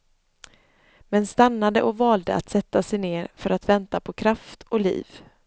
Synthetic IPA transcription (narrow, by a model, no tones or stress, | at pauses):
mɛnst̪anːad̪əʔɔkvɑːld̪ə̰ʔa̰t̪sɛt̪ːasɛjneːɾfœɾat̪vɛnt̪apʰɔkʰɾaft̪ɔlḭːv